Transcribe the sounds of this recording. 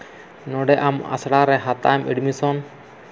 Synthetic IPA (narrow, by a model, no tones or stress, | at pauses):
nɔɖɛʔama̰sɽaɾɛɦat̪ajmʔiɖmisɔn